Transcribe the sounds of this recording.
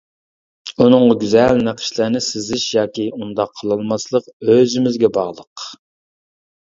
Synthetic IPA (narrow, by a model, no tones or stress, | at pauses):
unɨŋʁɑɡʲyzɛlnæqʰə̥ʃlˠænɪsɪzɪʃjɑːkʲiund̪ɑqʰːəlˠɑlˠmɑslˠəqøzɪmɪzɡʲɛbɑʁlˠəq